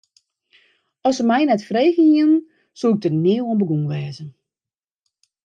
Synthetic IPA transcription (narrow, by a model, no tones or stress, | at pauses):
ɔsəmɛjnɛtfreːɣəniən | suɪk̚tənɪːəwɔnbəɡuŋʋɛːzən